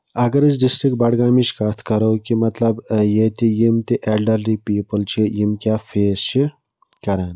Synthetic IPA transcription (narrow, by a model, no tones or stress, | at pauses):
ɐɡɐɾis̬ɖisʈɾik̚ʈ̚bɐɽɡaːmit͡ʃkɐt̪ʰkɐɾowkimɐt̪lɐbjet̪ijimt̪iʔelɖɐɾlipiːpəlt͡ʃʰijimkjaːfʰeːst͡ʃʰi | kɐɾaːn